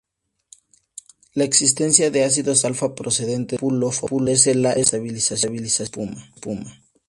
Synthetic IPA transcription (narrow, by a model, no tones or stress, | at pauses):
laeksist̪e̞nsjaðe̞as̬iðo̞salfapɾose̞ðe̞nt̪epulofopules̬elaʔest̪aβilisasjaβilisaspumapuma